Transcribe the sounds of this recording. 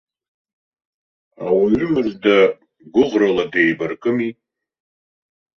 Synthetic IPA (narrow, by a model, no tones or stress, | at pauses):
awaɥʏmɨzda | ɡʷʊʁraladejbarkʼɨmi